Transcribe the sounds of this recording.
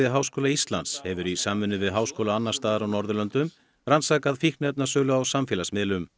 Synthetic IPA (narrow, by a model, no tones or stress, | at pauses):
ɪɦaːwskoːlaist̪la̰nt̪shɛvʏɾisaːmːʏnːʏvɪðɦaːwskoːwlaanːaɾ̥st̪aːðaɾawnɔɾðʏlœnt̪ʏm | ransaːkaðfihkt̪nɛt̪̚nasœːlʏawsamfjɪːlasmɪlʏm